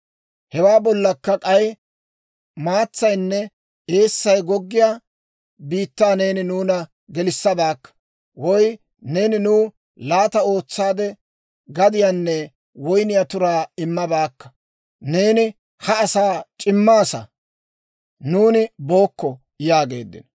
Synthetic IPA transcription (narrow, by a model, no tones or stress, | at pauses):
hɛwaːbɔlːɐkːɐkʼɐj | maːt͡sːɐjnːɛ | eːsːɐjɡɔɡːɪjaː | biːt̪ːaːne̞ːnɪnuːnɐ | ɡɛlɪsːɐbaːkːɐ̥ | wɔj | ne̞ːnɪnuː | laːt̪ɐo̞ːt͡sːaːd̪ɛ | ɡɐd̪ɪjanːɛ | wɔjnɪjat̪ʊɾaːɪmːɐbaːkːɐ̥ | ne̞ːnɪ | hɐːsaːt͡ʃʼɪmːaːsɐ̰ | nuːnɪbo̞ːkːɔ | jaːɡe̞̰ːd̪ːɪ̰n